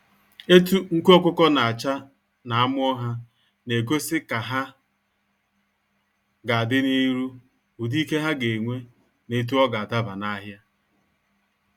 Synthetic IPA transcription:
e˦tu˦ŋ̩˦kɔ˦kʷʊ˦kɔ˦na˨a˨t͡ʃa˦ | na˨a˦mʊ˦ɔ˦ɦa˦ | ne˨ɡo˦sɪ˦ka˨ɦa˦ | ɡa˨a˨dɪ˦ni˦ɾu˦ | ʊ˨di˦ke˦ɦa˦ɡe˨ŋʷe˦ | ne˦t̬u˦ɔ˦ɡa˨a˨da˦ba˨na˦ɦja˦

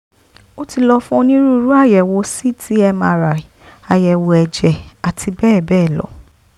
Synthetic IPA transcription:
o˦ti˧lɔ˧fũ˦o˧˦nĩ˦ɾu˦˧ɾu˦a˦˨jɛ˨wo˧si˦tʰi˨˦ɛ˧mãː˧ɾa˨i˨a˨jɛ˨wo˧ɛ˨d͡ʒɛ˨a˨tʰi˧bɛː˦˨bɛː˦˨lɔ̰˨˦

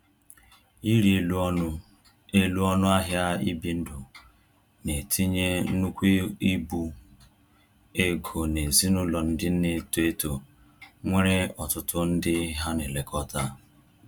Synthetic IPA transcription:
i˦ɾi˨lʊ˦ | e˦lu˦ɔ˦nʊ˦a˦ɦja˦i˦bi˦n̩˦dʊ˨ | ne˨tʰi˦ɲe˦nu˦kʷi˦i˦bu˦ | e˦ɡo˨ne˨zi˦nʊ˦lɔ˨n̩˦dɪ˦n̩˦ne˦tu˨e˦to˨ | ŋʷe˦ɾe˦ɔ˨tʊ˦tʊ˦n̩˦dɪ˦ɦa˦ne˨le˨kɔ˦ta˦

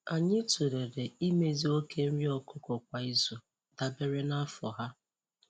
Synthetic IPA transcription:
a˨ɲɪ˦tu˨ɾe˨de˨i˦me˦zi˦o˦ke˦n̩˦ɾi˦ɔ˦kʊ˦kʊ˨kʷa˨i˦zo˨ | da˨be˦ɾe˦na˦fɔ˨ɦa˦

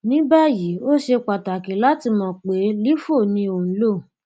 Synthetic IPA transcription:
nĩ˦ba˦ji˨˦o˦ʃe˧k͡pa˨ta˨ki˨˦la˦ti˧mɔ̃˧˨k͡pe˨˦li˦fo˦˨nĩ˧õ˨˦lo˦˨

